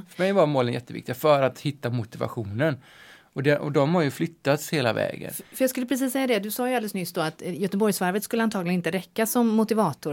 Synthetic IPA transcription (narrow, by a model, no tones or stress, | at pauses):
fœɾmɛjvaɾmoːlənjɛ̰t̪ːəvɪ̰k̚t̪ɪɡafœɾat̪hɪt̪ːamʊt̪ɪva̰ɧuːnən | ɔd̪ɛʔɔd̪ɔmhaɾjɵflʏt̪ːat̪sheːla̰vɛ̰ːɡə̰nfœɾjɑɡskɵləpɾɛsiːsːɛjːad̪ɛd̪ɵsɑːjɵalələsnʏsd̪ɔat̪jœt̪əbɔɾjsvaɾvət̪skɵlːəant̪ʰɑːɡlɪənɪnt̪əɾɛkːasɔmːʊt̪ɪvɑːt̪ʊ